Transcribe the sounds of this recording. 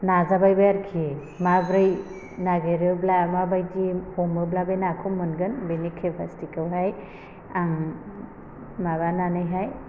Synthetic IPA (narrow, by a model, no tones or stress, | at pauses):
nazabajbajaɾkʰie | mabɾɯj | naɡeɾɯblamabajdihombɯblabenakʰɯmɯnɡɯnbenikʰːepʰastikɯwɦaj | aŋ | maβananɯjɦaj